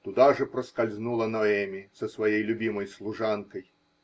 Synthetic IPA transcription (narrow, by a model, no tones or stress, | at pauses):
t̪ʊd̪aʐɨpɾəskalʲznulˠɐnɔɛmʲisəsvɐjejlʲʊbʲiməjslˠʊʐankəj